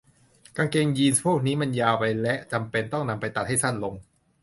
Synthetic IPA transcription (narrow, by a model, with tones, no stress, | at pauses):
kaː˧ŋkeː˧ŋjiː˧nspʰuː˥˩k̚niː˦˥ma˧njaː˧wpa˧jlɛ˦˥ʔt͡ɕa˧mpe˧nt̪ɔ˥˩ŋna˧mpa˧jt̪a˨˩t̪̚ha˥˩jsʰa˥˩nlo˧ŋ